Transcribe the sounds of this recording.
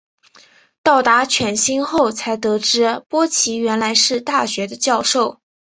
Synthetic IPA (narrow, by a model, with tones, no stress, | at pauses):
t̪ɑ˥˩ʊt̪a˧˥t͡ɕʰɥɛ˨˩nɕi˥nxo˥˩ʊt͡sʰa˧˥ɪt̪ɤ˧˥ʈ͡ʂɻ̩˧˥pwɔ˥t͡ɕʰi˧˥ɥɛ˧˥nla˧˥ɪʂɻ̩˥˧t̪a˥˩ɕɥɛ˧˥d̪ə˧t͡ɕjɑ˥˧ʊʂo˥˩ʊ